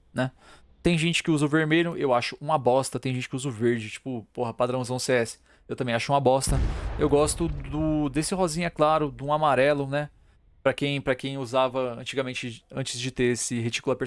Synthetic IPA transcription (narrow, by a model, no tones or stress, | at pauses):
nɛ | t̪ẽj̃ʒẽnt͡ʃɪ̥kɪuzɐʊveɾmeʎʊʔewaʃʊʔũabɔst̪ɐt̪ẽj̃ʒẽt͡ʃɪ̥kɪuzʊveɾd͡ʒɪt͡ʃi̥pʊpoɦɐpad̪ɾɐ̃w̃zɐ̃w̃seɛsɪ̥ | ewt̪ɐ̃mbẽj̃aʃʊũmɐbɔst̪ɐewɡɔst̪ʊd̪ʊd̪esɪɦɔzĩɲɐklaɾʊd̪ũamaɾɛlʊnɛ | pɾɐkẽj̃pɾɐkẽj̃uzavɐɐ̃nt͡ʃiɡamẽnt͡ʃɪɐ̃nt͡ʃɪzd͡ʒɪt̪eɾesɪɦet͡ʃi̥kʊlˠɐpeɾ